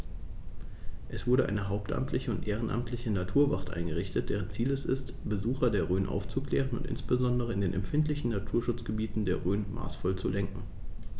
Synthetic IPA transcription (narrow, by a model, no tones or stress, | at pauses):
ʔɛsv̥ʊɐɾəʔa̰ɪnəɦaʊptʔa̰mtʰlɪçəʊntʔeːʁ̞ənʔa̰mtʰlɪçənatʰuːɐvaχtʔa̰ɪnɡəʁɪçtət̚d̥ɛːʁənt͡siːlɛsɪ̰st | b̥əzuːxɐdeːɐʁøːnʔa̰ʊft͡suklɛ̰ːʁənʊ̰ntɪ̰nsb̥əzɔndəʁ̞əɪndeːnʔɛ̰mfɪntlɪçn̩natʰuːɐʃʊt͡sɡ̥əbiːtn̩deːɐʁøːnma̰ːsfɔlt͡sulɛŋkŋ̩